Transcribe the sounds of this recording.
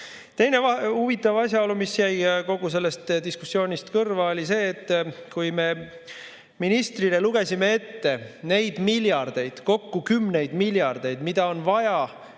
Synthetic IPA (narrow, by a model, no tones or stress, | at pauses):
t̪e̞jne̞vɑuvit̪ːˑɑvɑsʲjɑo̞lumisjæjko̞ɡ̥us̬e̞lːe̞st̪d̪̥iskusːjo̞ːnʲist̪kɤrvɑolʲise̞ːt̪ːˑkujme̞ | minist̪rile̞luɡ̥e̞sʲime̞e̞t̪ːe̞ne̞jd̪̥miljɑrd̪̥e̞jd̪̥ko̞kːukymne̞jd̪̥miljɑrd̪̥e̞jd̪mid̪̥ɑo̞nvɑjɑ